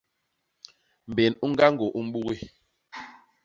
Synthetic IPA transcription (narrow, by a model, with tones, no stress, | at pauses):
m̩˨be˨nu˦ŋ̩˦ɡa˦ŋ˦ɡo˨ʔu˦m̩˦ɓu˦ɣe˦